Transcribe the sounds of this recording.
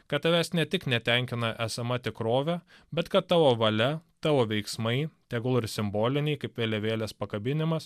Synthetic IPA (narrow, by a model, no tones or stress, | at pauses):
kɐt̪t̪ːɐʋʲæːsnʲɛt̪ʲɪknʲɛt̪ʲɛŋʲkʲɪnɐʔæsɐmɐt̪ʲɪkɾoːʋʲɛbʲɛt̪kɐt̪̚t̪ːɑːʋoːʋɐlʲɛt̪ɑːʋoːʋʲɛɪksmɐɪt̪ʲɛɡlˠɪɾsʲɪmboːlʲɪnʲɛɪkɐɪpʋʲeːlʲɛʋʲeːlʲɛspɐkɐbʲɪnʲɪmɐs